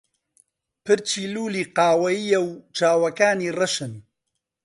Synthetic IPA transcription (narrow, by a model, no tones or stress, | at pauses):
pɨɾt͡ʃiːluːliːqɑːwɐjijɛwt͡ʃaːwɐkaːniːrɨʃɨn